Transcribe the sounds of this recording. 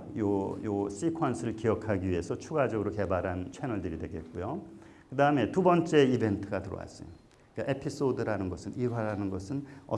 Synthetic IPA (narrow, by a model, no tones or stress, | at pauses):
jojos͈ikʰwansʰɯɾɯɭkiʌkʰaɡiɥie̞sʰʌt͡ɕʰuɡad͡ʑʌɡɯɾoke̞baɾɦant͡ɕʰenʌɭdɯɾidwe̞ɡe̞t̚k͈ujo | kɯdaɯme̞tubʌnt͡ɕ͈e̞ibe̞ntʰɯɡatɯɾʌ̰wa̰s͈ʌ̰jo̰ | ik͈aʔe̞pʰis͈odɯɾanɯnɡʌsʰɯnʔiɦwaɾanɯnɡʌsʰɯnʌ̰